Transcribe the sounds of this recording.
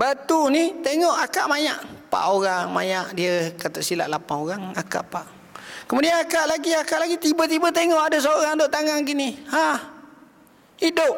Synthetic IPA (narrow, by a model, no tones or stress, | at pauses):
bat̪unit̪eŋɔʔakaʔmaɲaʔpa̰ʔoɣaŋma̰ɲaʔdiəkat̪oʔsila̰ʔlapanoɣaŋaka̰ʔpaʔ | kəmudianakaʔlaɡiakaʔlaɡit̪ibət̪̬ibət̪eŋɔʔadəs̬aɣaŋt̪oʔt̪aŋaŋɡiniha | hidʊp̚